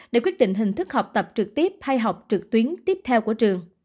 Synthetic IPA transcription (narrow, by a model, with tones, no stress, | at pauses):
ɗe˧˩kwi˦˥ət̚ɗḭ̈˧˨ŋ̟ɦï˨˩ŋ̟t̪ʰɨ˦˥k̚hɔ˨˩wk͡p̚t̪ə˨˩p̚t͡ɕɨ˨˩k̚t̪i˦˥əp̚ha˧jɦa˨˩wk͡p̚t͡ɕɨ˨˩k̚t̪wi˨˦ənt̪i˦˥p̚t̪ʰɛ˧wku˧˩ət͡ɕɨ˨˩əŋ